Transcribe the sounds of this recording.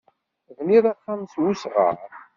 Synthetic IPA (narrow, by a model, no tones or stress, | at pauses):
ðniðˤaχːamswusʁə̰ɾˤ